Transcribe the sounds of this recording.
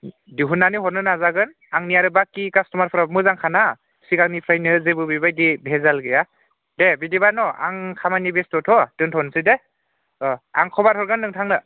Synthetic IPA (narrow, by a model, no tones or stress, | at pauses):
diɦunːaniɦɔɾnɯnazaɡɯn | aŋnijaɾɯbakːikastɔmaɾpʰɾamɯzaŋkʰana | sikaŋnipʰɾajnɯzebɯbibajdibʱezalɡɯja | debidibanɔa̰ŋkʰamanibestɔtʰɔtɯŋtʰɔnsɯde | aŋkʰɔbaɾtʰɔɾɡɯnːɯŋtʰaŋnɯ